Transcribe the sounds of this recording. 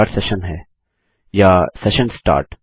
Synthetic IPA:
ɾʈsɛʃənɦɛː | jasɛʃə̃nsʈa̰ːɾʈ

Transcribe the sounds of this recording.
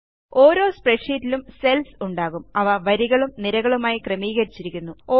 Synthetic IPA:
o̞ːɾo̞ːspreʂiːtːilumse̞lsuɳɖaːɣumɐʋɐʋɐɾiɣɐɭumniɾɐɣɐɭumaːjikrɐmiːɣɐɾit͡ɕːiɾikʲːunːuoː

